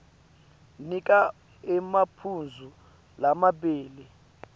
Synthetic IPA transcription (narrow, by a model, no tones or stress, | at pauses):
nik̬ʼa | ɛmapʰund͡zʱu | lamaɓeːlɛ